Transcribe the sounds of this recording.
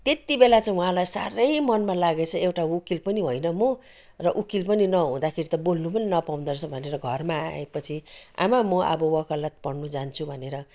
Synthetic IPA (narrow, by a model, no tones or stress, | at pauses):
t̪et̪ibelat͡saĩɦũɦãlajsa̰ɾʌjmʌnmalaɡet͡sʰʌewʈaukilpʌniɦojnʌmo | rʌʔukilpʌninʌɦũd̪akʰeɾit̪ʌbolnupʌninʌpaw̃nd̪ʌrt͡sʰʌbʱʌneɾʌɡʱʌrmaa̰epʌt͡sʰia̰mamʌʔʌ̰bʌwʌkalʌt̪̚pʌɽnud͡zant͡sʰubʱʌneɾʌ